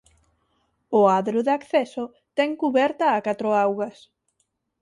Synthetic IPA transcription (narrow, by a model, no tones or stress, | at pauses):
ʊaðɾoðakθɛso | t̪ɛŋkuβɛɾt̪ɐːkat̪ɾoawɣɐs